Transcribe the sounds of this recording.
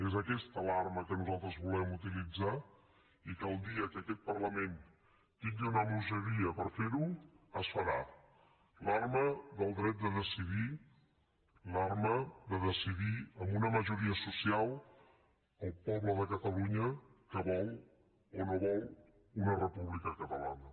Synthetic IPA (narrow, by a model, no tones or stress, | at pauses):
ezəkɛst̪əlarməkənuzalˠt̪ɾəzβulɛmut̪ilid͡za | ikəlˠd̪iəkəkɛt̪̚pərləmen | t̪iŋəwnəmuʒəɾiəpəɾfeɾuəsfəɾa | larməðəlˠd̪ɾɛt̪̚d̪əðəsiði | larməðəðəsiðiəmbunəməʒuɾiəsusialˠ | əlˠpɔβləðəkət̪əluɲəkəβɔlw | onoβɔw | unərəpuβlikəkət̪əla̰nə